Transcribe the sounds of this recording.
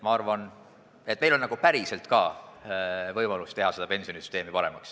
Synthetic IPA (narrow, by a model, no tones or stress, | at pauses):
mɑɑrvɑn | et̪ːˑme̞jlo̞nnɑɡ̥upæɾise̞lt̪kɑː | vɤjmɑlust̪e̞ɦɑse̞d̪ɑpe̞nsio̞nisy̥st̪eːmipɑɾemɑks